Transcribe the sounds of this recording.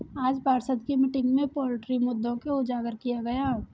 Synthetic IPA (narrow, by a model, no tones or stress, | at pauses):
aːd͡ʒpaːɾsəd̪kemɪʈɪ̃ŋɡmẽpɔːlɪʈɾimʊd̪ʱːõkeʊd͡ʒaːɡəɾkijaɡɐja